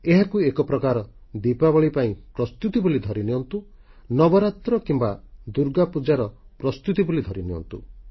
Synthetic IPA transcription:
eɦakuekɔpɾɔkaɾɔ | d̪ipabɔɭipaĩpɾɔst̪ut̪ibulid̪ʱɔɾiniɔnt̪u | nɔbɔɾat̪ɾɔkimbad̪uɾɡapud͡ʒaɾɔpɾɔst̪ut̪ibulid̪ʱɔɾiniɔ̰nt̪ṵ

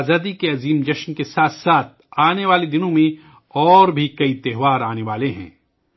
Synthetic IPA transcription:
zaːd̪ikeɐziːmd͡ʒɐʃnkesaːt̪ʰsaːt̪̚ʰaːneʋaːled̪ɪnõmẽ | ɔːɾbʱikɐit̪ɛɦʋaːɾaːneʋaːleɦɛ̰̃ː

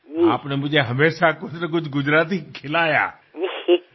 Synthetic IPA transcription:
aːpnemʊ̃d͡ʒeɦɐmeːʃakʊt̪nɐk̬ʊd͡ʒʱɡʊd͡ʒɾaːt̪̬ikʰɪlaːja̰ː

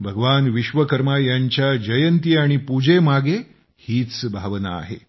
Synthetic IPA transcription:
bʱəɡəʋanʋiɕʋəkəɾmajaɲt͡ɕjad͡ʑəjənt̪iaɽ̃ipud͡ʑemaɡe | hiːt͡sbʱaʋna̰ːɦḛ

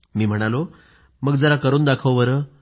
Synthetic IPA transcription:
miːm̤əɽ̃alo | məɡd͡zəlakəɾuːnd̪akʰəʋʋəɾə

